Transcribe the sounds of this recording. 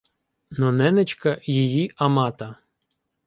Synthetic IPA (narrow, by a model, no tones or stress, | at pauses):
nɔnɛnet͡ʃkɐjijiɐmɑt̪ɐ